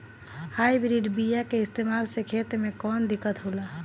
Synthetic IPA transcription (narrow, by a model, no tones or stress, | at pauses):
haibɾiɖbijakeɪst̪emalsekʰet̪ɾmẽkɔːnd̪ikːət̪ɦola